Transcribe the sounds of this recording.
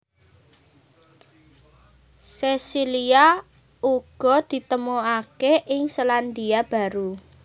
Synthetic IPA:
sesilia | uɡ̥ɔ̤d̪̥i̤t̪əmoakeʔɪŋsəland̪iab̥a̤ɾu

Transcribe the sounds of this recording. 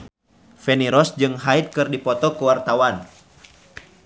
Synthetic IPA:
fɛniɾɔsd͡ʒɨŋɦait̪̚kɨrdipɔt̪ɔkəwart̪awan

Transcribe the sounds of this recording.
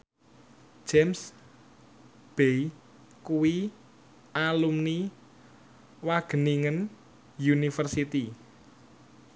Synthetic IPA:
d͡ʒ̥ems | b̥ei | kuwi | alumni | waɡ̥ə̤niŋən | junifərsit̪i

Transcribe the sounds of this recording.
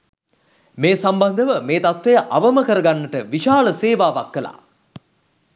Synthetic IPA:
meːsamband̪əʋəmeːt̪at̪ʋejəʔaʋəməkəɾɐɡanːəʈəʋiʃaːləseːʋaːʋakːəla̰ː

